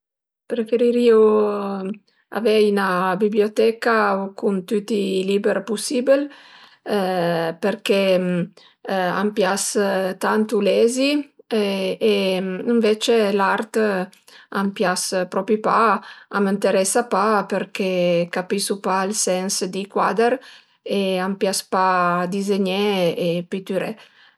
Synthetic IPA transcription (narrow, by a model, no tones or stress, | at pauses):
pɾefeɾiɾio | a̰vɛinabiblijot̪ɛkaokunt̪yt̪ilibeɾpusibel | peɾkɛ | a̰mpjast̪ant̪ulɛzi | eəɱvet͡ʃelaɾt̪ | ampjaspɾɔpipaamənt̪eɾɛsapapeɾkekapisupaalsɛnsd̪ikwa̰d̪eɾ | eampjaspad̪izeɲeːpit̪yɾe